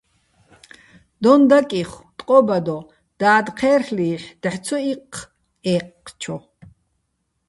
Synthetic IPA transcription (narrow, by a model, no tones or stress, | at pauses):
d̪ɔnd̪akʼiχt̪ʼqʼɔbad̪ɔ | d̪̥aːd̪qʰɛːrχliːħd̪̥ħt͡sʰɔiq | ɛːqːt͡ʃʰɔ